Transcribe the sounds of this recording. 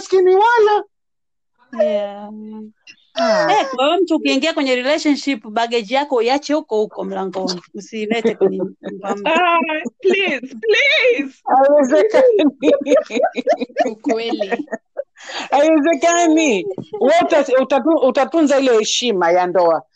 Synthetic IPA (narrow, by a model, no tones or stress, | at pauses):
askiniwala | ja | ɛkaam̩tuːkiiŋɡiakwɛɲɛɾilɛʃanʃipɓaɠɛd͡ʒijakɔjat͡ʃɛhukɔhukɔm̩laŋɡɔniusilɛtɛkwɛɲimbam | plizplizaiwɛzɛkani | ukwɛli | aiwɛzɛkaniuwautautauutatunzailɛhɛʃimajandɔa